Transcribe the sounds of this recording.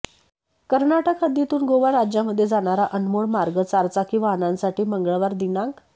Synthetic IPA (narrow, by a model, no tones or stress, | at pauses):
kəɾnaʈəkɦəd̪jet̪uːnɡoʋaɾad͡ʑjaməd̪ʱːjed͡zaɽ̃aɾaʔənmoɭmaɾɡət͡saɾt͡sakiːʋaɦnãnsaʈiːməŋɡɭəʋaɾd̪inãŋk